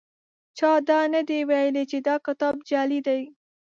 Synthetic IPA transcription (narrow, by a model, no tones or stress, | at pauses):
t͡ʃɑd̪ɑnad̪ewajəlet͡ʃed̪ɑkɪt̪ɑbd͡ʒɑlid̪aj